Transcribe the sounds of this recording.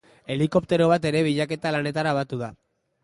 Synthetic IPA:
e̞liko̞p̚t̪e̞ɾo̞β̞at̪e̞ɾe̞β̞iʎake̞t̪alane̞t̪aɾaβat̪uða

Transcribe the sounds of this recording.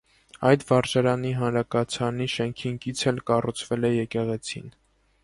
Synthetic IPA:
ɑjd̪vɑɾd͡ʒɑɾɑniɦɑnɾɑkɑt͡sʰɑniʃɛŋkʰiŋkʰit͡sʰɛlkɑrut͡sʰvɛlɛjɛkɛʁɛt͡sʰḭn

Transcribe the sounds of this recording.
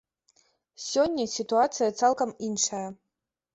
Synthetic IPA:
sʲɔnʲːɐsʲit̪uat̪sɨjɐt̪salˠkɐminʂajɐ

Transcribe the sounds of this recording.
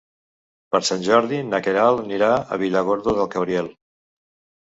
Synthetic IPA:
pəɾsanʲʒɔɾðinəkeɾalˠniɾaə̰β̞iləɣ̞oɾðoðəlˠkəβɾiɛlˠ

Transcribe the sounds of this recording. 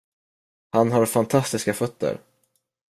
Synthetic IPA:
hanɦaɾfant̪ʰast̪ɪskafœt̪ːə̰ɾ

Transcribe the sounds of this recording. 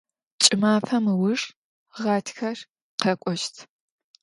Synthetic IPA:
t͡ʃʼɪmaːfɐmɨwʊʂ | ʁɑːtʰxɐr | qɐkʷʼɔʃtʰ

